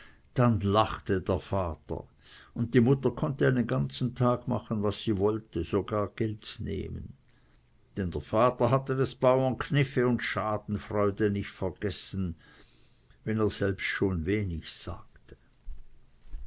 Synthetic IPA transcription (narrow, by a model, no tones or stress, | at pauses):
d̥anlaχtədeːɐfaːtə̰ | ʊnt̚d̥iːmʊtɐkʰɔntəaɪnənɡant͡sn̩tʰaːɡma̰χənvasːiːvɔltəz̥oɡaːɐɡ̥ɛltnḛːmə̰n | d̥ɛndeːɐfaːtɐɦatədesb̥aʊɐnkʰnɪfəʊntʃaːdn̩fʁ̥ɔʏdənɪçtfɛɐɡ̥ɛsn̩ | vɛneːɐz̥ɛlpstʃoːnveːnɪçz̥a̰ːktə̥